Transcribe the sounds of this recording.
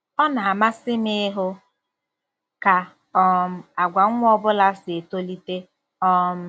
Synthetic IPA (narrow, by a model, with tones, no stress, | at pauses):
ɔ˦na˨a˨ma˦sɪ˦mɪ˦ɦʊ˦ | ka˨ | ɔ˦m̩˦a˨ɡʷa˨ŋ̩˦ŋʷ˦ɔ˦bʊ˦la˦sɪ˨e˨to˦li˦te˦ | ɔ˦m̩˦